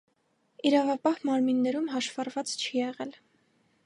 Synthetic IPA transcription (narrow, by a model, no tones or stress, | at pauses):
iɾɑvɑpɑhmɑɾminːɛɾumɦɑʃv̥ɑrvɑt͡st͡ʃʰijɛʁɛl